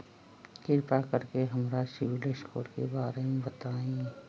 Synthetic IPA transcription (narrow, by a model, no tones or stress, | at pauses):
kɪɾpakəɾkeɦɐmɾasɪʋɪlesko̰ːɽkebaːɾemẽbɐt̪aːẽː